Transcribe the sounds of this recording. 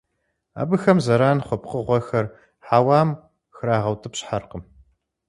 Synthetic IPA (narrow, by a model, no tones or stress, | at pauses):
a̰ːbɨxɐmzɐɾaːnχʷɔpqəʁʷɔxɐr | ħaːwaːm | xɨɾaːʁɐwtʰɨpɕħarqəm